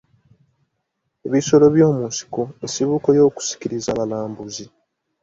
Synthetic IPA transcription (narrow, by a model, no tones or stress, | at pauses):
e̞βiso̞lo̞βjo̞ːmunsi̥koesiβukojo̞ːku̥si̥kiɾizalalaːmbuzi